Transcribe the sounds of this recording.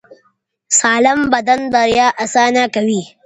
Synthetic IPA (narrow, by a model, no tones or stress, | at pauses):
saːlɐmbɐd̪ɐnd̪ɐɾjaːʔasaːnaːkɐwiː